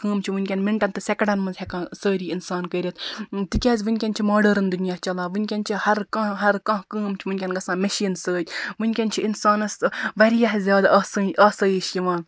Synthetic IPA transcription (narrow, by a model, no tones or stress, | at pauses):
kəːmt͡ʃʰiʋunʲkʲɐnmiɳʈɐnt̪ɨsʲɐkɽɐnmɐnzɦʲekãːsəːɾiːinsaːnkəːɾʲit̪ʰt̪ɨkʲaːzʲʋɨnʲkʲɐnʲt͡ʃʰimaːɖɐɾɐnd̪unijaːt͡ʃɐlaːʋɨnʲkʲɐnt͡ʃʰihɐɾkɐ̃ɦɐɾkɐ̃ɦkəːmt͡ʃʰiʋɨnʲkʲɐnɡɐsãːmɐʃiːnsəːt̪ʲʋɨnʲkʲɐnt͡ʃʰiinsaːnɐsʋɐɾijɐɦzʲjaːd̪ɐsɐʔɐːsɐːjiʃjiʋãːn